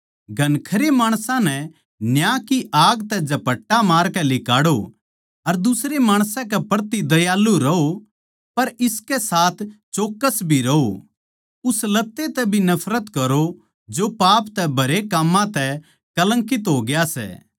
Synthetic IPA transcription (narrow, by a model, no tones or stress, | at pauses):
ɡʱɐnkʰɐɾemaːɽ̃sãnɛ | njãːkiʔaːɡt̪ɛd͡ʒɐpɐʈːamaːɾkɛlɪkaːɽo | ɐɾd̪ʊsɾemaːɽ̃sãkɛpɐɾt̪id̪ɐjaːlːuɾɐo | pɐɾɪskɛsaːt̪ʰt͡ʃoːkːəsbʱiɾɐo | ʊslɐt̪ːet̪ɛbʱinɐpʰɾət̪kɐɾo | d͡ʒopaːpt̪ɛbʱɐɾekaːmːãt̪ɛ | kɐlə̃ŋkɪt̪ɦoːɡɪjasɛ̰ː